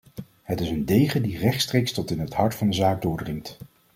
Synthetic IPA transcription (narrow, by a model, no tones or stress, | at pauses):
ɦətɪsəndejχədirɛχtstrejkstɔtɪnɦəthɑɹtfɑndəzaːɡ̚dʊːɹdrɪŋt